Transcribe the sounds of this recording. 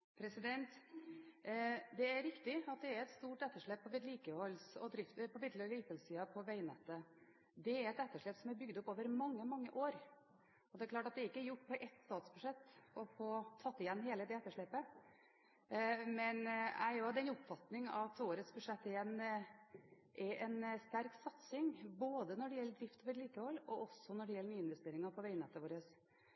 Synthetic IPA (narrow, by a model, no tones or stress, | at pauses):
pʰɾɛsɪd̪ɛnt̪ | d̪ɛæɾɾɪkt̪ɪɑt̪̚d̪ɛæɾɛt̪st̪uːʈɛt̪ːəʂɭɛpʰːɔʋɪd̪liːkəhɔlːsɔ̰d̪ɾɪft̪pʰɔʋɪd̪lɔliːkəhɔlsiːɑpʰɔʋæɪnɛt̪ːə | d̪ɛæɾɛt̪ɛt̪ːəʂɭɛpsɔmæɾbʏɡd̪ɔpːoːʋəɾmɑŋːəmɑŋːəʔoːɾ | ɔd̪ɛæɾklɑːʈɑt̪d̪ɛɪkːəæɾjʊʈːpʰɔʔɛt̪st̪ɑːt̪sbʉʂɛt̪ːɔfoːt̪ʰɑt̪ːɪjɛnːɦeːləd̪ɛɛt̪ːəʂɭɛpə | mɛnæ̰ɪoɑt̪ːɛnʊpfɑt̪nɪŋɑ̰t̪oːɾət̪sbʉʂɛt̪ːɛjɛn | ʔɛɾɛnst̪æɾksɑt̪sɪŋboːd̪ənɔɖɛjɛlːəd̪ɾɪft̪oːʋəɾliːt̪əhɔlːɔʔɔsɔnɔɖɛjɛlːənyːɪnʋɛst̪eːɾɪŋɑpʰɔʋæɪnɛt̪ːəʋoːɾəs